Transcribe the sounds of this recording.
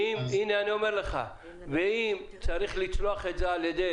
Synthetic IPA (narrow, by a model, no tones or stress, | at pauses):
imineanio̞me̞ʁleχa̰ | veimt͡saʁiχlit͡sloaχezealjed̪e